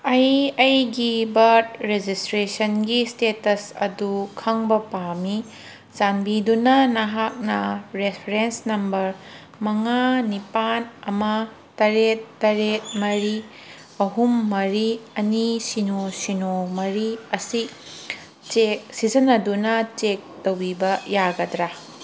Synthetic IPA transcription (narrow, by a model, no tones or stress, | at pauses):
ɐjɐjɡibɐɾt̚ɾed͡ʒistɾesɐnɡistetɐsɐ̰dukʰɐŋbɐpami | zanbidunɐnɐɦak̚nɐɾepʰɾensnɐmbɐɾ | mɐŋanipanɐmɐ | tɐɾetːɐɾet̚mɐɾi | ɐɦumːɐɾiɐnisinosinomɐɾiɐsi | t͡ʃek̚sizɐnɐdunɐt͡ʃek̚towbibɐjaɡɐdɾa